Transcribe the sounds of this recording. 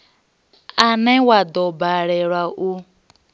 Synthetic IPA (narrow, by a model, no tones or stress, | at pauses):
anewadɔbaɾeɾaʔu